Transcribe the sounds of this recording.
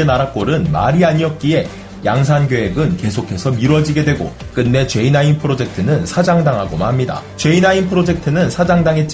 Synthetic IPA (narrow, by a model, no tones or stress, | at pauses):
enaɾak̚k͈oɾɯnma̰ɾiaɲiʌk̚k͈ie̞ | jaŋs̬ʰanɡoɦe̞ɡɯnke̞sʰokʰe̞sʰʌmiɾwʌd͡ʑiɡe̞dweɡo̰k͈ɯnːe̞t͡ɕwe̞inainpʰɯɾod͡ʑe̞k̚tʰɯnɯnsʰad͡ʑaŋdaŋɦaɡomaɦamɲida̰t͡ɕe̞inainpʰɯɾod͡ʑe̞k̚tʰɯnɯnsʰad͡ʑaŋdaŋɦe̞t̚t͡ɕ͈i